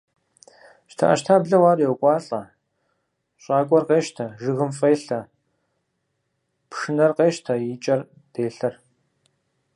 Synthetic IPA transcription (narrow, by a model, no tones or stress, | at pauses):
ʃtʰa̰ʔɐ̰ʃtʰaːbɮɨwaːrjɛwkʷʼɑːɬʼɐ | ɕʼaːkʷʼɔrqeːʃtʰɐʒɨɣɨmfeːɬɐ | pʂɨnɐrqeːʃtʰɐjit͡ʃʼɐr | d̥eːɬɐr